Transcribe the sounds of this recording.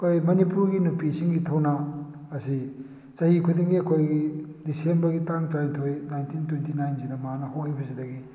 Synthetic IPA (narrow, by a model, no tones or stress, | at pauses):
ɐkʰojmɐnipuɾɡinupisiŋɡitʰɐwnɐː | si | t͡ʃɐhikʰudiŋɡiɐkʰojɡidisembɐɾɡitaŋtɾajntʰojnajntintwentʰinajnzidɐmanɐɦowkibɐsidɐɡi